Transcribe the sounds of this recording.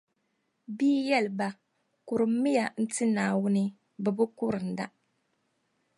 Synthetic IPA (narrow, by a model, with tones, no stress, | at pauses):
biː˦jɛ˦lɨ˨ba˨ | kʊ˨ɾɨ˨m˦mi˦ja˨n̩˦tɨ˦naː˨wʊ˦nɨ˦ | bɛ˨bʊ˦kʊ˦ɾɨ˨n̩˨da˦